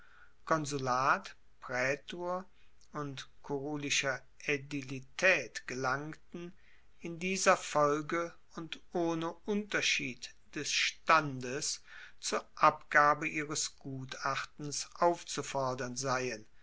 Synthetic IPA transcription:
kʰɔnzulaːt | pʁ̥ɛːtoːɐ | ʊntkʰoʁoːlɪʃɐ | ʔedilitʰɛːtɡ̥əlaŋtn̩ | ɪndiːzɐfɔlɡə | ʊntʔoːnəʔʊntɐʃiːt | d̥ɛsʃtandəst͡suːɐʔapɡ̥aːbəʔiːʁəsɡ̥uːtaχtn̩sʔaʊft͡sufɔɐdɐnzaɪən

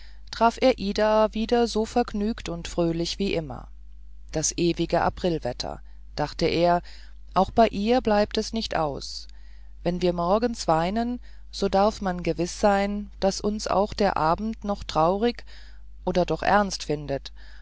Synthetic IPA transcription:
tʁ̥aːfʔeːɐʔiːdaːviːdɐzoːfɛɐɡnyːktʊntfʁ̥øːlɪçv̥iːʔɪmɐ̰ | d̥asʔeːvɪɡəʔa̰pʁ̥ɪlvɛtʰɐ̰ | d̥aχtəʔeːɐ | ʔaʊxb̥aɪʔiːɐblaɪp̚tɛsnɪçtʔa̰ʊs | vɛnviːɐmɔɐɡn̩sv̥aɪnən | z̥oːdaɐfmanɡəvɪsz̥aɪnd̥asʔʊnsʔa̰ʊxd̥eːɐʔaːbm̩tnɔχtʁ̥aʊʁ̞ɪk | ʔoːdɐdɔχʔɛ̰ɐnstfɪndət

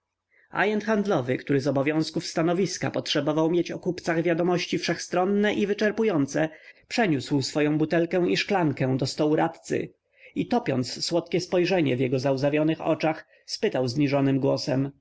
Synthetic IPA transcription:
a̰jɛnt̪xand̪lɔvɘkt̪uɾɘzɔbɔvjɔ̃w̃skufst̪anɔvʲiska̰pɔtʂɛbɔvawmʲjet͡ɕɔkupt̪saɣvʲjad̪ɔmɔɕt͡ɕifʂɛxst̪ɾɔnːɛʔivɘt͡ʂɛɾpujɔnt̪sɛpʂɛɲuswsfɔjɔ̃but̪ɛlkɛ̃w̃iʂklaŋkɛ̃d̪ɔst̪ɔwuɾat̪t̪sɘ̰ | it̪ɔpʲɔ̰nt̪sswɔt̪kʲɛspɔjʐɛɲɛvjɛɡɔzauzavʲjɔnɘxɔ̰t͡ʂax | spɘt̪awzɲiʐɔnɘmɡwɔsɛm

